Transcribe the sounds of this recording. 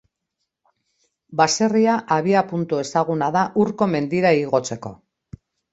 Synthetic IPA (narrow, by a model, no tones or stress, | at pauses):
base̞riaʔaβiapunt̪ue̞saɣunaðaʔuɾko̞me̞nd̪iɾaiɣo̞t͡se̞ko̞̰